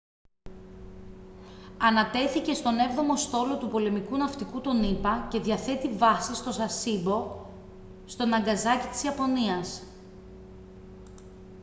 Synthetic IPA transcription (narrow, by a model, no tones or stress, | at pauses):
ɐnɐt̪e̞θice̞st̪o̞ne̞vðo̞mo̞st̪o̞lo̞t̪upo̞le̞mikunɐft̪ikut̪o̞nipɐce̞ðʝɐθe̞t̪ivɐsist̪o̞sɐsibo̞ | st̪o̞nɐŋɡɐzɐcit̪i̥siɐpo̞niɐs